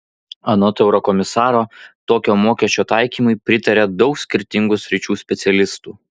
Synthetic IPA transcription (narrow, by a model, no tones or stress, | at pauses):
ɐnoːt̪ʲɛʊɾɔkɔmʲɪsɑːɾoːt̪oːkʲoːmoːkʲɛsʲt͡ʃʲoːt̪ɑˑɪkʲiːmʊɪpʲɾʲɪt̪ɐɾʲɛd̪ɒʊksʲkʲɪɾʲt̪ʲɪŋɡʊsʲɾʲɪt͡ʃʲuːsʲpʲɛt̪sʲɛlʲɪst̪uː